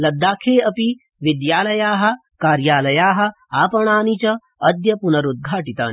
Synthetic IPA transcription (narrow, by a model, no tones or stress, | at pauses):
lɐd̪ːaːkʰeːɐpi | ʋid̪jaːlɐjaːɦɐ̆ | kaːɾjaːlɐjaːɦɐ̆ | aːpɐɳ̃aːnit͡ʃɐ | ɐd̪jɐpunɐɾud̪̚ɡʱaːʈit̪a̰ːni